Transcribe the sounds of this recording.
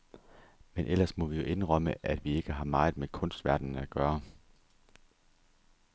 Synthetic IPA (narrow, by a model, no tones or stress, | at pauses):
menʔel̰ɐsmɒ̽ʋijo̝ʔe̝nʁɒməʔæd̥ʋie̝ɡ̥əɦɑ̈mɑ̈ɪð̩ˠmekʰɔ̽nsd̥ʋæɐ̰d̥n̩æɡ̥ɶːɐ